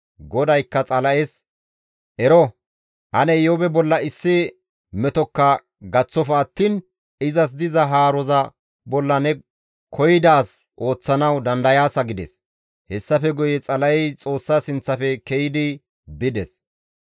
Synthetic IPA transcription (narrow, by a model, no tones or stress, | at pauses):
ɡɔd̪ɐjkːɐt͡sʼɐlɐʔɛs | ʔɛɾɔ | ʔɐnɛjɔbɛbɔlːɐɪsːɪ | mɛt̪ɔkːɐ | ɡɐt͡sːɔfɐːt̪ːiːn | ɪzɐs̬d̪ɪzɐɦaːɾɔzɐ | bɔlːɐnɛ | kʰɔjɪd̪aːsʔo̞ːt͡sːɐnɐwd̪ɐnd̪ɐjaːsɐɡɪd̪ɛ̰s | hɛsːɐfɛɡʊjɛt͡sʼɐlɐʔɛjt͡sʼo̞ːsːasɪnt͡sːɐfɛkɛjɪd̪ɪ | bɪd̪ɛs